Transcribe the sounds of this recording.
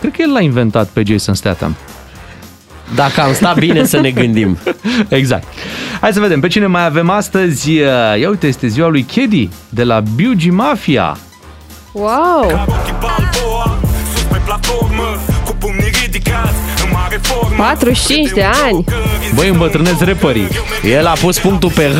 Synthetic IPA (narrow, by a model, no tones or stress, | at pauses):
kɾed̪kəjelːainve̞nt̪at̪pe̞d͡ʒejsənst̪a̰t̪a̰m | d̪akəamst̪at̪̚binesəne̞ɡɨnd̪imeɡza̰k̚t̪hajd̪səve̞d̪e̞mpe̞t͡ʃine̞majave̞mast̪əzʲəjaujt̪əje̞st̪e̞ziwalujkʰʲe̞d̪id̪e̞labiud͡ʒimafia̰ | wawip | upeplat̪formkup̪id̪ka | pat̪ɾut͡ʃint͡ʃd̪e̞anʲbəjɨmbət̪ɾɨne̞sre̞pəɾḭ | je̞lapuspuŋk̚t̪upe